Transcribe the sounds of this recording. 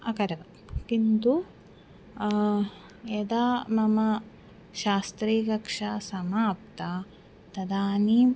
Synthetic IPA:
ɐkɐɾɐʋɐ | kint̪u | ɐd̪aːmɐmɐ | ʃaːst̪ɾeːkɐkʂɐsɐmaːp̚t̪a | t̪ɐd̪aːni

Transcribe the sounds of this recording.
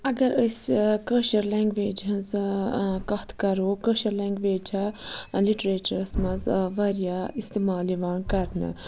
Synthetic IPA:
ɐɡɐɾəskəːʃɐɾlɛːŋɡʋeːd͡ʒɦɐ̃nz | kɐht̪ʰkɐɾoːkəːʃɐɾlɛːŋɡʋeːd͡ʒɐliʈɾeːt͡ʃɐɾsmɐ̃zʋɐɾjaist̪eːmaːliʋaːnkɐɾnɨ̰

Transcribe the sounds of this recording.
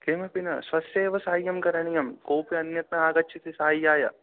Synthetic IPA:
keːmɐpinɐsʋɐsjeːʋɐsaːjːɐmkɐɾɐɳijɐmkoːpiɐnjɐt̪nɐaːɡɐt͡ʃːt͡ʃʰit̪isaːjːaːjɐ̰

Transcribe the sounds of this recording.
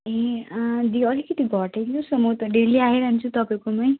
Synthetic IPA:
ed̪iʌlikʌt̪iɡʱʌʈet̪ũsʌmot̪ʌɖeliaɦeɾaɦnt͡sʰut̪ʌpaj̃komaj

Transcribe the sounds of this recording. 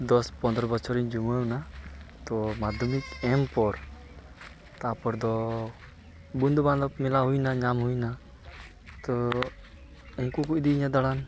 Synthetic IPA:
d̪ɔspɔnd̪ɾɔbɔt͡ʃʰɔɾiɲd͡ʒumɔunat̪ɔmad̪ʱɔmikɛmpɔɾ | t̪apɔɾd̪ɔ | bund̪bãnd̪ɔpmɛlaɦujnaɲamɦujna | t̪ɔ | unkukuʔd̪iːɲad̪aɽan

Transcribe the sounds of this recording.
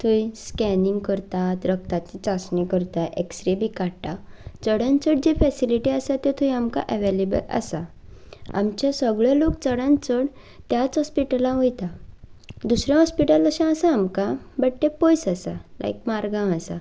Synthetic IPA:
t̪ʰujskɛniŋɡkəɾt̪at̪ɾək̚t̪at͡ɕit͡sasnikəɾt̪aʔeksɾibʱikaɽʈːa | t͡səɽãnt͡səɽd͡ʑefɛsiliʈiasat̪et̪ʰujamka̰ʔeʋelebə̰la̰sa | a̰mt͡ɕasəɡɭɔlok̚t͡səɽãnt͡səɽ | t̪jat͡sɦɔspiʈəlãʋojt̪a | d̪usɾjãɦɔspiʈələɕãːsãːmkabəʈʈ̪epɔjsasalʔa̰jkmaɾɡãasa

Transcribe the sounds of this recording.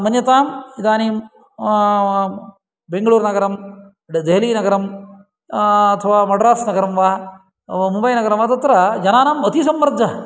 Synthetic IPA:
mɐnjɐt̪aːmid̪aːniːm | beŋɡɐɭuːɾnɐɡɐɾɐm | d̪eɦɐliːnɐɡɐɾɐm | ɐt̪ʰɐʋaːmɐɖɾaːsnɐɡɐɾɐmʋaː | mubɐjnɐɡɐɾɐmʋɐt̪ɐt̪ːɾɐd͡ʒɐnaːnaːmɐt̪isɐmːɐɾd̪ʱɐ

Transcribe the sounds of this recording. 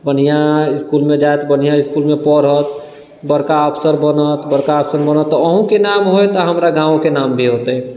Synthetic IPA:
bən̤ijãiskulmẽd͡ʒajt̪bən̤ijãɪskulmepəɾɦət̪ | bəɾkaəpʰsəɾbənət̪bəɾkaəpʰsənbənət̪ːɔːɦũkenamɦojt̪əɦəmɾaɡãõkenambʱiɦot̪ə

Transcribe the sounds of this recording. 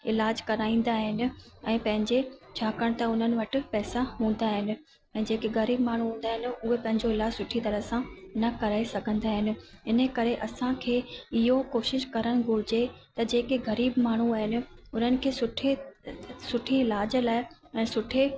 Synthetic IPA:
ɪlaːd͡ʑkɐɾaːĩːn̆d̪aːɦɪnɪ̆ɛ̃ːpɐ̃ɦɪ̃ɲd͡ʑet͡ɕʰaːkəɽ̃t̪ɐʊn̤ənɪ̆ʋɐʈɪ̆pɛːsaɦũːn̆d̪aɦɪnɪ̆ | ɛ̃ːd͡ʑeːkeɣɐɾiːbmaːɳ̤uɦũːn̆d̪aːɦɪnɪ̆ʊɦepɐ̃ɦɪ̃ɲd͡ʑoɪlaːd͡ʑsʊʈʰit̪ɐɾəsãnɐkɐɾaːesɐɡʱə̃nd̪aːɦɪnɪ̆ɪnə̆kɐɾeʔɐsãkʰeːɪɦokoːʃɪʃkɐɾəɽ̃ɡʱʊɾɪd͡ʑet̪ɐd͡ʑeːkeɣɐɾiːbmaːɳ̤uaːɦɪnɪ̆ʊn̤ənɪ̆kʰeːsʊʈʰe | sʊʈʰiɪlaːd͡ʑlaːɪɛ̃ːsʊʈʰe

